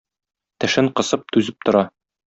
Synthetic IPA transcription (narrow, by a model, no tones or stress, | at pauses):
t̪ɘ̆ʃɘɴqɤ̆sɤp̚t̪ʉzɘp̚t̪ŏɾɑ